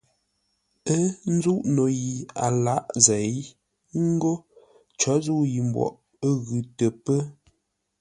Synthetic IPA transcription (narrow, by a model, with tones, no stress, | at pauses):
ə˦n̩˦zu˦ʔno˨ji˨a̰˨la˦ʔzɛ˨j | ŋ̩˦ɡo˦ | t͡ʃɔ˨˦zu˦ji˨m̩˨bwɔ̰˨ʔ | ə˦ɣʉ˨˦tə˨pə˦